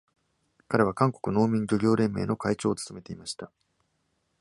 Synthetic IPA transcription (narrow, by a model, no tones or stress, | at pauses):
kaɾe̞β̞akãŋko̞̥kɯ̟no̞ːmʲĩɲɡʲoɡʲo̞ːɾẽ̞mːe̞ːno̞kait͡ɕo̞ːt͡sɨ̥t̪o̞me̞t̪e̞imaɕi̥t̪a